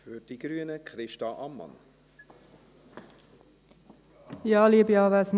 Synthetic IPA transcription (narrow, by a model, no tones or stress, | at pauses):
fyɾd̥iɡ̥ɾyːənəkʰχɾɪʃtɑʔɑmːɑ̰n | jɑːlibjɑvæsn